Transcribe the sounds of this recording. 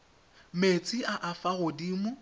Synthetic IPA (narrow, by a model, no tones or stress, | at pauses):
met͡sʼiʔaʔafaɣʊdiːmʊ